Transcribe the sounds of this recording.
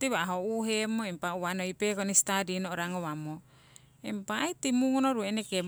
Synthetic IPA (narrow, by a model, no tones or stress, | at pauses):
tiβaɦouɦemoimpauwanojpekonist̪adinoʔoɾaŋowamo | empajt̪imuŋonoɾueenekem